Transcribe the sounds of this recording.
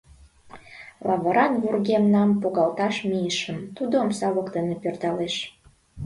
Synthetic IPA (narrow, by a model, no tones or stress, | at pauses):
lɑβəɾɑnβurɣemnɑmpuɣɑlt̪ɑʃmiəʃəmt̪ud̪omsɑβəkd̪enepert̪ɑleʃ